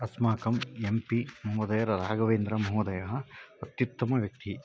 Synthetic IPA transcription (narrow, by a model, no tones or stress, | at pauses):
ɐsmaːkɐmempimɐɦod̪ɐjɐɾɐɾaːɡɐʋeːnd̪ɾɐmɐɦod̪ɐjɐɦɐːt̪jut̪ːɐmɐʋjɐk̚t̪i